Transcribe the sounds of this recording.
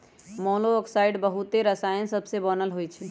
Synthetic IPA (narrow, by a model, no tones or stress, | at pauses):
mɔloəksaɪɖbəɦut̪eɾəsajə̃səbsebənəlɦojt͡ʃʰɛ